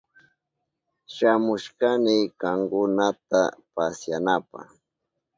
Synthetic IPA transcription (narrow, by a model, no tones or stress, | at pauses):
ʃamʊʃkanɪkaŋkʊnat̪apasjanapa̰